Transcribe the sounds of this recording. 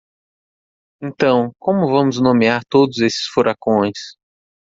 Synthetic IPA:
ẽnt̪ɐ̃w̃kõmʊvɐ̃mʊznõmeaɾt̪od̪ʊzesɪ̥sfuɾakõj̃s

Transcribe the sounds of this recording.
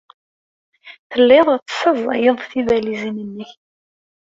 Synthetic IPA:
θəlːeðˤt͡sːə̥səzˤjəðˤθivælizinənːəç

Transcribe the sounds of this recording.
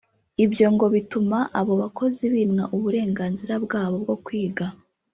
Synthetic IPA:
ibjo̞ŋɡo̞βitumaʔaβo̞βako̞ziβimŋaʔuβuɾe̞ːŋɡaːnziɾabɡaːβo̞b̚ɡo̞kwiːɡa

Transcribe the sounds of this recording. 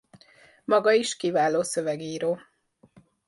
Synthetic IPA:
mɒɡɒiʃkivaːloːsøvɛɡiːɾoː

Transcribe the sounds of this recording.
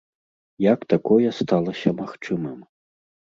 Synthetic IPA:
jɐkt̪akɔjɛst̪alˠɐsʲɐmaxt͡ʂɨmɨm

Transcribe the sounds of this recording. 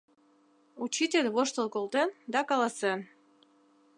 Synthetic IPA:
ut͡ɕitʲelʲβoʃt̪ŏlˠkolˠt̪end̪ɑkɑlˠɑsen

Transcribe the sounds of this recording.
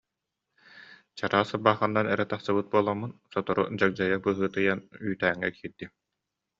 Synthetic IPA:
t͡ɕaɾaːsabaːχɯnːanɛɾɛt̪aχsɯbɯt̪̚buɔlˠamːunsɔt̪ɔɾṵd͡ʑak̚d͡ʑajabɯɦɯːt̪ɯjanyːt̪æːŋːɛ̰kʰiːɾd̪̥i

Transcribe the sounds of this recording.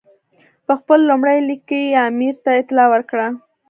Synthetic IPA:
pəxpəlːumɽajlikːəiamiɾt̪aɪt̪ɪlɑwəɾkɽa

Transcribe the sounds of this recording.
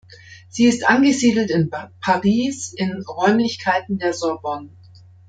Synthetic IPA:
z̥iːɪstʔanɡəziːdl̩tɪnpʰaʁiːsɪnʁɔʏmlɪçkʰaɪtn̩deːɐzɔɐbɔn

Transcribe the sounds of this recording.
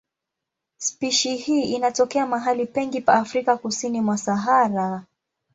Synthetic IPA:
spiʃihiːinatɔkɛamaɦalipɛŋɡipaːfɾikakusinimwasaɦaɾa

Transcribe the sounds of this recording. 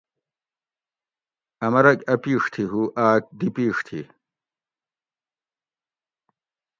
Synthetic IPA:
ɐmɐɾɐkɐpiːʂt̪ʰiɦuʔaːk̚d̪ipiːʂt̪ʰi

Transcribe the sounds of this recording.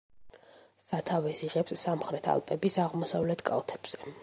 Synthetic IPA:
sat̪ʰavɛsiʁɛpsːamχɾɛt̪ʰa̰lˠpʼɛbisaʁmɔsavlɛt̪ʰkʼa̰lˠt̪ʰɛb̥z̥ɛ

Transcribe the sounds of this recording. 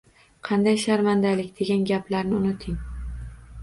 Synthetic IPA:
qʰɑnd̪ajʃaɾmand̪alɪkʲd̪̥e̞ɡʲanɡʲaplaɾnɪʊnɪt̪ʰɪŋ

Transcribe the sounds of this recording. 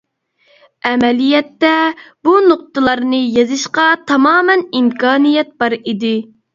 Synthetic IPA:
ɛmɛlijɛt̪ːɛb̥unoq̚t̪ɨlˠɑɾnɨjezɨʃqɑt̪ʰɑmɑːmɛnimkɑːnijɛt̪̚bɑɾid̪ɪ

